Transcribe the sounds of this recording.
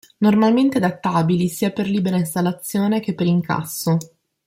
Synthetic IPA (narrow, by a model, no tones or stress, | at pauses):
normalment̪ead̪at̪ːaːbilisiːaperliːbeɾainst̪alːat̪sːjoːnek̟epːeɾiŋkʰa̰sːo